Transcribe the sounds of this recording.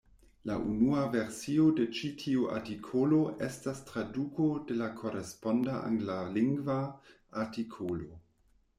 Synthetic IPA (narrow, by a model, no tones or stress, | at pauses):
laʔunuave̞ɾsio̞de̞t͡ʃitʰiuʔa̰ɾtikʰoloʔestastɾadukode̞lakʰo̞ɾespo̞ndaʔa̰ŋɡlaliŋɡva | aɾtikʰolo